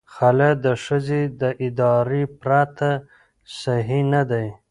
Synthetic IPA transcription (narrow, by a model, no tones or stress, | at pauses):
xalad̪əʂəzed̪əʔɪd̪ɑɾepɾat̪ʰa | saɦinad̪aj